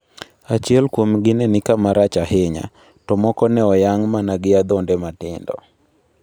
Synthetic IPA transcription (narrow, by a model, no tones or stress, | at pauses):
at͡ʃiɛlkwomɡɪnɛnɪkamaɾat͡ʃahɪɲa̰ | tɔmɔkɔnɛɔjaŋmanaɡɪad̪ɔndɛmatɪndɔ̰